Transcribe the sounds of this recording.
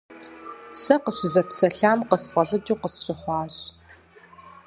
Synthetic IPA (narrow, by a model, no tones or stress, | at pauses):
sɐqəɕʷʊzɐpsɐɬaːmqəsfɐɮʼɨdiːqəsɕʼɪχʷɑːɕ